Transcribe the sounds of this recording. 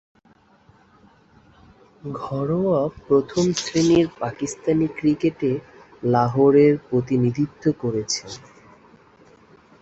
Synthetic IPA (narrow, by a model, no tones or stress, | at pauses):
ɡʱɔɾoapɾot̪ʰomsɾiniɾpakist̪anikɾikeʈe | laɦoɾeɾpɾot̪inid̪ʱit̪ːokoɾet͡ɕʰen